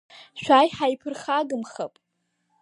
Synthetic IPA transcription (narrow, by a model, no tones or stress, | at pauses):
ʃʷᶣajħajpʰɨrχaɡɨmχa̰pʼ